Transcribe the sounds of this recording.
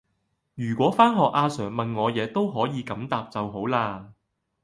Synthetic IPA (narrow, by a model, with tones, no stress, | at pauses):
jyː˨˩kʷɔː˨˥faː˥nɦɔː˨k̚ʔaː˧sœː˨˩ŋmɐ˨nŋɔː˨˧jɛː˨˧t̪o˥wɦɔː˨˥jiː˨˧kɐ˨˥mt̪aː˨p̚t͡sɐ˨wɦo˨˥wlaː˧